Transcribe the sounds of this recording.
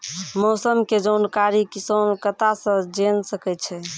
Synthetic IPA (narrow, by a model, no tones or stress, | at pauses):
mosəmked͡ʒəwnkaɾikisənkət̪asə̃d͡ʒensəkɛt̪t͡ʃʰɛ